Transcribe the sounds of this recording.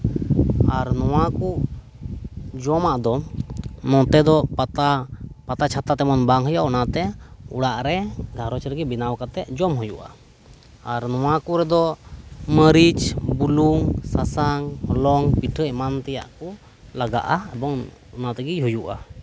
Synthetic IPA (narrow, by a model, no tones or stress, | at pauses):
aɾnɔwakuʔ | d͡ʒɔmaʔd̪ɔ | nɔ̃t̪ɛd̪ɔpt̪apat̪at͡ʃʰat̪at̪ɛmɔnbaŋɦɔjaʔnat̪ɛṵɽaʔɾɛɡʱaɾɔt͡ʃʰɾəɡɛbinawkat̪ɛd͡ʒɔmɦɔjuʔa̰ | aɾnɔwakɔɾɛd̪ɔməɾit͡ʃbuluŋsasaŋlɔŋpiʈʰəʔmant̪ɛja̰ʔkɔ | laɡa̰ʔaɛbɔŋ | nat̪ɛɡijɦujuʔa̰